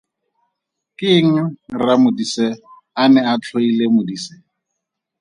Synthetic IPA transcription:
kʼɪŋ̩ramʊdisɛ | anɛat͡ɬʰoilemʊdisɛ

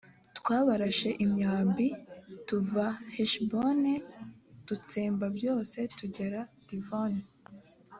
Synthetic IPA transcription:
twaːβaɾaʃe̞ʔimɲaːmbituvaheʃbonetut͡seːmbabjo̞ːse̞tuɟe̞ɾad̥ivoni

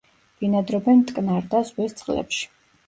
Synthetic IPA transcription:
v̥inad̪ɾɔbɛnt̪ʼkʼnaɾd̪azwɛst̪sʼqʼlɛ̰pʃi̥

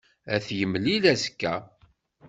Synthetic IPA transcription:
æθjəmlilæskːæ

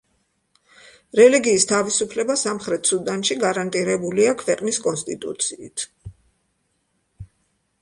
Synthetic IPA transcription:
ɾɛliɡiːst̪ʰavisupʰlɛbasamχɾɛt̪ʰsud̪anʃiɡaɾant̪ʼiɾɛbuliakʰvɛqʼniskʼɔnst̪ʼit̪ʼṵt̪sʰiːt̪ʰ

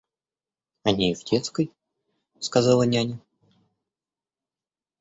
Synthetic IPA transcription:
ɐnʲeivtʲʰet̪skəj | skazɑlˠənʲanʲə

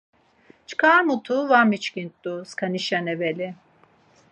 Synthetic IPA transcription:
t͡ʃʰkʰaːmut̪ʰuvamit͡ʃkint̪d̪uskʰaniʃanɛveli

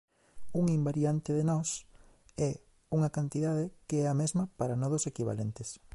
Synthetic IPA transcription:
uŋimbaɾjant̪eðenɔs | ɛ | uŋɐkant̪iðaðekeɛɐmezmɐpaɾanɔðosekiβ̞a̰lent̪es

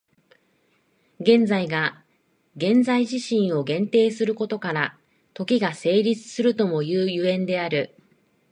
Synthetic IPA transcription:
ɡẽ̞nd͡zaiɡa | ɡẽ̞nzaiʑiɕĩɰ̃o̞ɡẽ̞nt̪e̞ːsɨɾɯ̟ko̞t̪o̞kaɾa | t̪o̞kʲiɡase̞ːɾʲit͡sɨ̥sɨɾɯ̟t̪o̞mo̞jɯːjɯ̟ẽ̞nd̪e̞aɾɯ̟

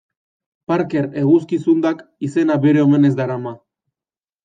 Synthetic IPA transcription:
paɾke̞ɾe̞ɣuskisund̪akise̞naβeɾe̞ome̞ne̞zd̪aɾama

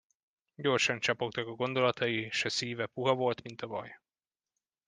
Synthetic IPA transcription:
ɟo̞rʃɒnt͡ʃɒpo̞kt̪ɒkɒɡo̞nd̪o̞lɒt̪ʰɒjiʃɛsiːvɛpuɦɒvo̞lt̪mint̪ɒvɒ̰j

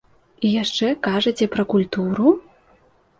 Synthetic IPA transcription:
ijaʂt͡ʂɛkaʐɐt͡sʲɛpɾɐkulʲt̪uɾu

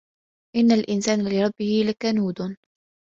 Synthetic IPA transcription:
ʔɪnːalʔɪnsaːnlɪɾˤɑbːɪhɪlakanuːd̪

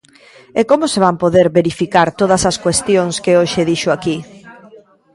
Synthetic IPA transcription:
ekomʊseβ̞ampoðeɾβeɾifikaɾt̪oð̞ɐsɐskwest̪joŋskeoʃeðiʃoaki

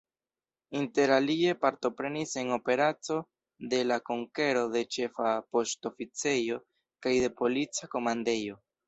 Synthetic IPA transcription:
inte̞ɾalie̞paɾto̞pɾe̞nise̞ŋo̞pe̞ɾat͡so̞ | de̞lakoŋke̞ɾo̞de̞t͡ʃe̞fapo̞sto̞fit͡se̞jo̞ | kajde̞po̞lit͡sako̞mande̞jo̞

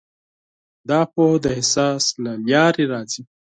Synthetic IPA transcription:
d̪ɑːpohd̪əɦɪsɑːslaljɑːɾeɾɑːzi

